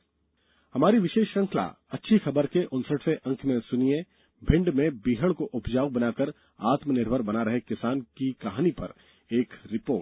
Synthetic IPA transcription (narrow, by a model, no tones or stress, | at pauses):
hɐmaːɾiʋɪʃeːʃɾɐ̃ŋkʰla̰ɐtːʃʰixɐbəɾkeʔʊ̃nsəʈʰseʔɐ̃ŋkʰmẽsʊniẽ | bʱɪ̃ɳɖmẽbiːɦəɽ̃koʔʊpd͡ʒaːwbɐnaːkəɾ | aːt̪mnɪɾbʱəɾbɐnaɾɐɦekɪsaːnkikɐɦaːnipɐ̰ɾ | eːkɾɪpoːʈ̚